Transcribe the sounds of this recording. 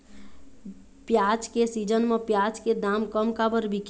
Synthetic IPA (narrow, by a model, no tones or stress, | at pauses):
pjat͡ʃkesid͡ʒənmepjat͡ʃked̪amkəmkabəɾbʱik